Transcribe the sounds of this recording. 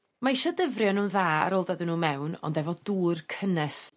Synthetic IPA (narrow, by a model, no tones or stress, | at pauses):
maiʃɔdəvrjɔnuːnðaːa̰ɾolˠdadənuːmɛwnɔ̰ndɛvɔduːrkʰənɛs